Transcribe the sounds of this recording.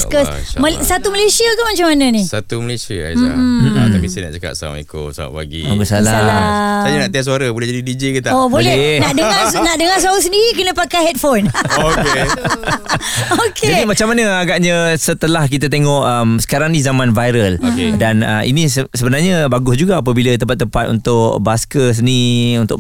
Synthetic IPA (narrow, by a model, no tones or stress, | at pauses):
skəsməsat̪uməlesiakanmat͡ʃamːanə̃nisat̪uməlesia̰a̰a̰t̪apisena̰ʔt͡ʃaka̰ʔ̚sa̰ḭko̰sa̰a̰ʔpa̰ɡḭaɡusalaasajanaʔt̪iasuaɾabolɛɦd͡ʒadidid͡ʒekət̪aobolɛnaʔdəŋanaʔdəŋas̬aɾus̬əndiɾik̬ənə̃pakajɦɛt̚fonke | oked͡ʒadimat͡ʃamanəaɡaʔɲãsət̪əlahkit̪̬at̪̬eŋɔʔəmsə̥kaɾaŋnĩzamãnvajɾəlokedanə̰ḭnisəsəbənarɲəbaɡʊsd͡ʒuɡaːp̬əbilat̪̬əmpat̪ːəmpat̪̚ṵnt̪ʊʔbaskəs̬əniunt̪ʊʔ